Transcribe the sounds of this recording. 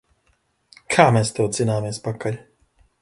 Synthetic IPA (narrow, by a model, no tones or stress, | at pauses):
kʰaːmɛːst̪ɛwt̪zinaːmiɛspakalʲ